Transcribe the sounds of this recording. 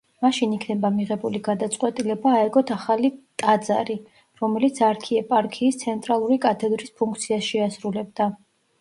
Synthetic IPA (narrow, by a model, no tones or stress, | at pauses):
maʃinikʰnɛbamiʁɛbuliɡad̪at̪sʼqʼwɛt̪ʼilɛbaːɛɡɔt̪ʰaχalit̪ʼad̪za̰ɾi | ɾɔmɛlit̪sʰaɾkʰiɛpʼaɾkʰiːst̪sʰɛnt̪ʼɾalˠuɾikʼat̪ʰɛd̪ɾispʰuŋkʰt̪sʰiasʃɛasɾulɛb̚d̪a